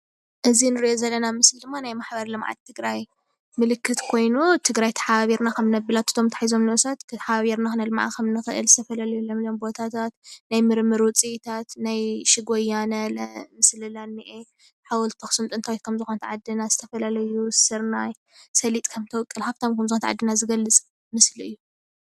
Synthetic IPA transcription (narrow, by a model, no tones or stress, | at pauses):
ʔɨzinɨɾiʔozɐlːɐnamɨslid̪ɨmːanajmaħbɐɾlɨmʕa̰t̪̚t̪ʰːɨɡɾaj | mɨlɨkʰːɨt̪kʰo̞jnut̪ʰɨɡɾajt̪ʰɐ̥ħaβaβiɾnakʰɐmnɐbɨlat̪ɨ̥t̪ʰo̞mt̪ʰḁħizo̞mnɨʔusat̪kʰħaβaβiɾnaxɨnɐlɨmaʕa̰kʰɐmnɨxɨʔɨ̰lzɨt̪ʰɐfɐlalɐjulɐmlombo̞t̪ʰat̪ʰat̪najmɨɾmɨɾwɨt͡sʼit̪ʰat̪najʃɪɡojanɐlmɨslɨlanːiʔe | ħawɔlt̪ʰoxsɨmt̪ʼɨnt̪ʰawit̪kʰɐmzɨxont̪ʕad̪ːɨnaz̥ɨt̪ʰɐfɐlalɐjusɨɾnaj | sɐlit̪ʼkʰɐmt̪ʰɐwkʼːɨlħaβt̪ʰomkʰɐmzɨxont̪aʕa̰d̪ːɨnazɨɡɐlːɨt͡sʼ | mɨsliɨjːu